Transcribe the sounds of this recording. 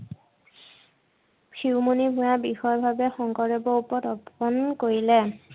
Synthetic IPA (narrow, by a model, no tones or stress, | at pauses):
kʰiwmonibʱũabixɔɔbʱabɛxɔŋkɔɹebɔupɔtɔbɔnkoɹilɛ